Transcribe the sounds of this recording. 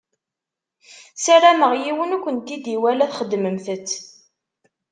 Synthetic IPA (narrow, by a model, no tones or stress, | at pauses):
særæməʁjiwənukʷːənt̪id̪iwælæθχəd̪ːməmθət͡sː